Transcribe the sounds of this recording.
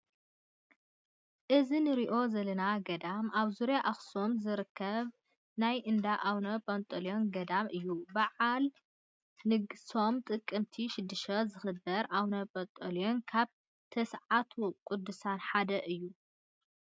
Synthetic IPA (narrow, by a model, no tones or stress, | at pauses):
ʔɨzinɨɾiʔo̞zɐlɐnaɡɐd̪amaβzuɾjaʔaxso̞mzɨɾɨkʰːɐβ | najʔɨnd̪aʔawnɐpʼɐnt̪ʼɐljo̞nɡɐd̪amʔɨjːubaʕal | nɨɡso̞mt̪ʼɨkʼːɨmt̪ʰiʃɪd̪ːɨʃɐzɨxɨd̪ɐɾʔawnɐpʼɐt̪ʼɐljo̞nkʰaβ | t̪ʰɐsʕat̪ʰukʼud̪ːusanħad̪ɐʔɨjːu